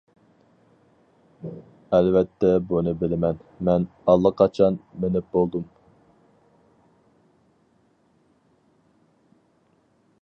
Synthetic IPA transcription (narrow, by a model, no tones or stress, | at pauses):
ɛlvɛt̪ʰːɛbunɨbɪlɪmɛnmɛnɑlˠːɑqʰɑt͡ʃʰɑnmenɪp̚bolˠd̪um